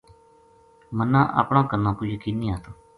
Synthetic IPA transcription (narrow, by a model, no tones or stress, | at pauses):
mənːãːʔa̰ːpɳãːkəɾnãːkʊːjəkiːnĩːaːt̪oː